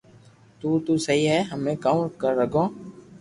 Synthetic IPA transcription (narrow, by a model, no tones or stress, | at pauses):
t̪uːt̪uːsəɦiːɦɛːɦəmẽːkaukəɾːəɡʱõː